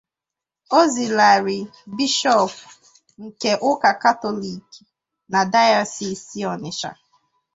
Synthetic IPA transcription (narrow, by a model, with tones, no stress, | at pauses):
o˦zi˨la˨ɾɪ˨bi˦ʃɔ˦˨p | ŋ̩˨ke˨ʔʊ˦ka˨ka˦tɔ˦li˨k | na˨da˦ja˦˨si˦si˦ɔ˨nɪ˨ʃa̰˨